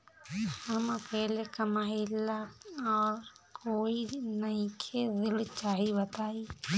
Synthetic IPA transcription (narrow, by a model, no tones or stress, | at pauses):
həmpɛɦlekəmaːilaɔːɾkoːinəĩkʰed̪ɪlt͡ʃaːɦibət̪aːi